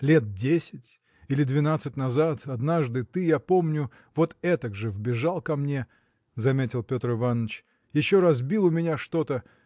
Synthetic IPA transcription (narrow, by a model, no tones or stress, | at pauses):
lʲe̞t̪̚dʲesʲɪtʲ | ilʲɪd̪vʲɪnat̪sɨtʲnɐzat̪ɐd̪naʐd̪ɨt̪ɨjapo̞mnʲʊ | vo̞t̪ɛt̪əɡʐɨvbʲɪʐalˠkɐmnʲe | zɐmʲetʲɪlˠpʲo̞t̪rɨvanːət͡ɕ | jɪɕːo̞ɾazbʲilˠʊmʲɪnʲaʂt̪o̞t̪ə